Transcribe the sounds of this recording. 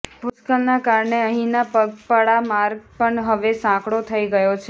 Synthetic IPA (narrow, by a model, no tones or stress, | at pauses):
pʊskəlnakaɾɳeəɦĩnapəpəɽamaɾɡ̚pəɳɦəʋesãkɽot̪ʰəiɡəjot͡ʃʰe